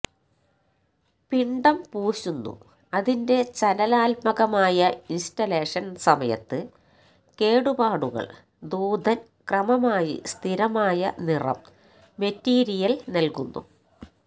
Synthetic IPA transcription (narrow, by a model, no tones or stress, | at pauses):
piɳɖɐmpuːɕunːṵ | ɐðinde̞t͡ɕɐnɐlaːlpɐɣɐmaːjɐinstɐle̞ːʂɐnsɐmɐjɐ̰t̪ːɨ | ke̞ːɽubaːɽuɣɐ̰ɭ | d̪uːd̪ʱɐn | krɐmɐmaːjḭst̪ʰiɾɐmaːjɐnirɐ̰mː | e̞tːiːɾijɐlnɐlkunːṵ